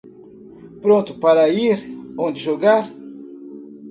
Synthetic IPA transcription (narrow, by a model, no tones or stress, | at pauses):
pɾõnt̪ʊ̥paɾɐiɾõnd̪ɪʒoɡaɾ